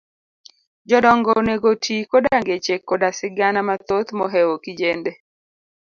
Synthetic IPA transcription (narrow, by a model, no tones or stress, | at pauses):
d͡ʒɔdɔŋɡɔneɡotʰikodaŋɡet͡ʃekːodasɪɡanamat̪ot̪mɔɦɛwokid͡ʒende